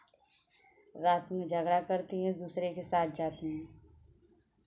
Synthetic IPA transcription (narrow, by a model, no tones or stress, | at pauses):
ɾaːt̪mẽd͡ʒʱɐɡɾakɐɾt̪iɦɛ̃d̪uːsɾekesaːt̪̚ʰd͡ʒaːt̪iɦɛ̃ː